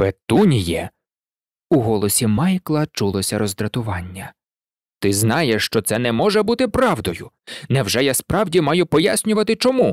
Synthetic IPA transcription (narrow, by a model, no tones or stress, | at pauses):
pet̪unʲijɛ | uɦɔlˠɔsʲimɑjklˠɐt͡ʃulˠɔsʲɐɾɔzd̪ɾɐt̪ʊʋɑnʲːɐ | t̪ɪznɑjeʃt͡ʃɔt̪sɛnɛmɔʒɛbut̪ɪpɾɑʋd̪ɔjʊnɛwʒɛjaspɾɑwdʲimɑjʊpɔjasʲnʲʊʋɐt̪ɪt͡ʃɔmu